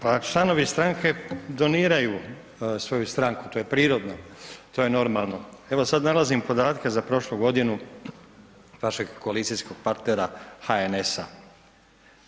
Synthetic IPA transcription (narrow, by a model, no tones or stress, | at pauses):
pat͡ʃlˠano̞ʋist̪ɾaŋke̞d̪o̞niːɾaju | sʋo̞just̪ɾaŋku̥t̪o̞ːje̞pɾiːɾo̞d̪not̪oje̞no̞ɾmalˠno̞e̞ʋo̞sad̪nalazimpo̞d̪aːt̪kezapɾo̞ʃluɡo̞d̪inu | ʋaʃe̞ɡko̞alit̪sijsko̞ɡ̥̚paɾt̪ne̞ɾaxaene̞sa̰